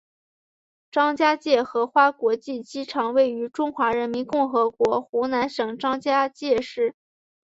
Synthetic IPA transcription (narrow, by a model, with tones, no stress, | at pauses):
ʈ͡ʂɑ˥ŋt͡ɕja˥t͡ɕjɛ˥˩xɤ˧˥xwa˥kwɔ˧˥t͡ɕi˥˩t͡ɕi˥ʈ͡ʂʰɑ˧˥ŋwe˥˩ɪy˧˥ʈ͡ʂʊ˥ŋxwa˧˥ɻə˧˥nmi˧˥nkʊ˥˩ŋxɤ˧˥kwɔ˧˥xu˧˥na˧˥nʂɤ˨˩ŋʈ͡ʂɑ˥ŋt͡ɕja˥t͡ɕjɛ˥˧ʂɻ̩˥˩